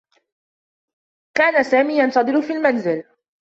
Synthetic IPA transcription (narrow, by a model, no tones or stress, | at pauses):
kaːnasaːmiːjant̪ɑd̪ˤɨɾʊfiːlmanzɪl